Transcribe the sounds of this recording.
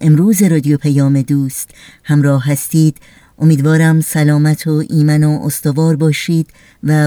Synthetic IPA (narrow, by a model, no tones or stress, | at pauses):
ʔe̞mɾuːze̞ɾɒːd̪ijopʰæjɒːme̞d̪uːst̪hæmɾɒːhːæst̪iːd̪̥ | ʔo̞miːd̪vɒːɾæmsælɒːmæt̪ʰoʔiːmænoʔost̪ovɒːɾbɒːʃiːd̪̥ | væ